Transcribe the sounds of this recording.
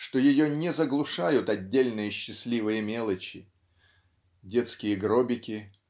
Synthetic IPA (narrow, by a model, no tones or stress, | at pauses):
ʂt̪o̞jɪjonʲɪzəɡlˠʊʂajʊt̪ɐdʲːelʲnɨjəɕːɪsʲlʲivɨjəmʲe̞lˠət͡ɕɪ | dʲe̞t̪skʲɪjəɡɾobʲɪkʲɪ